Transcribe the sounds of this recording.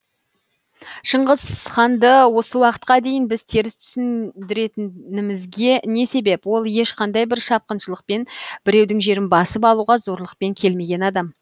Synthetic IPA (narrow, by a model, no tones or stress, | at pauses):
ʃəɴʁəz̥χɑnd̪əwo̞səwɑqət̪̚qɑd̪e̞jɪnbɪzt̪ʰe̞ɾɪst̪ʰʏ̥sɪnd̪ɪɾe̞t̪ɪnɪmɪzɡʲe̞ne̞se̞be̞pwo̞lˠje̞ʃqɑnd̪ɑjbɪɾʃɑp̚qənʃəlˠəq̚pe̞nbɪɾe̞wd̪ɪŋʒe̞ɾɪnbɑsəpɑlˠuʁɑzo̞ɾlˠəq̚pe̞ŋkʲʰe̞lme̞ɡʲe̞nɑd̪ɑm